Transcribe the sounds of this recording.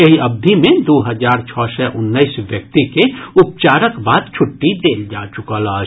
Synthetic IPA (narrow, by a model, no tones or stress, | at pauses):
ɐɦiɐb̚d̪ʱimẽd̪oːɦɐzaːɾt͡ʃʰɔːsɛʔʊnːəisʋjɐk̚t̪ikeʊp̚t͡ʃaːɾəkbaːd̪̚t͡ʃʰʊʈːid̪eːld͡ʒaːt͡ʃʊkalaː